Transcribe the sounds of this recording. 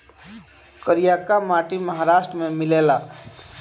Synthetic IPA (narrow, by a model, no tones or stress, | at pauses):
kəɾijaːkamaːʈiməɦaɾaːʃʈɾəmẽmɪleːlaː